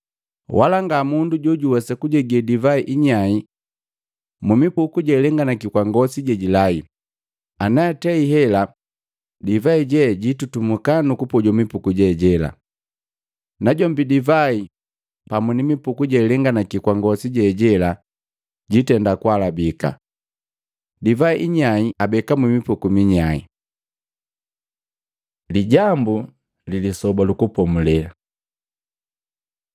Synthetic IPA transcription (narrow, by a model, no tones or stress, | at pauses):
walaŋɡamunduɟuɟuwɛsɛkuɟɛɡɛdivaiʔiɲai | mumipukuɟɛlɛŋɡanakikwaŋɡɔsiɟɛɟilai | anaɛtɛiɦɛla | divaiɟɛɟitutumukanukupɔɟɔmipukuɟɛɟɛla̰ | naɟɔmbidivai | pamunimipukuɟɛlɛŋɡanakikwaŋɡɔsiɟɛɟɛla | ɟitɛndakwalabika̰ | divaiʔiɲaiabɛkamwimipukumiɲaḭ | liɟambu | lilisɔbalukupɔmulɛla